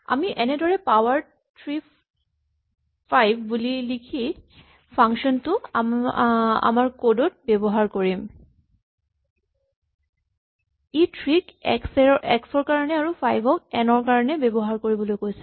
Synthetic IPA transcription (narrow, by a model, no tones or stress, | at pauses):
a̰miʔɛnɛdɔɹɛpawaɹ | tɹi | pajbʱbulilikʰi | pʰaŋkʃɔntʊ | a̰maɹkodot̚bɛbɔɦaɹkoɹim | itʰɹikɛ̰ksɛɔɛksɔɹkaɹɔnɛaɹupʰajbʱɔkɛnɔɹkaɹɔnɛbebɔɦaɹkoɹibɔlojkojsɛ̥